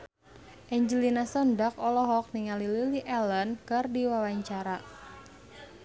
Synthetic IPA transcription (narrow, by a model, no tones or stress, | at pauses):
ʔɛɲd͡ʒəlinasɔndak̚ɔlɔɦɔk̚niŋalililiʔɛlənkɨrdiwawaɲt͡ʃaɾa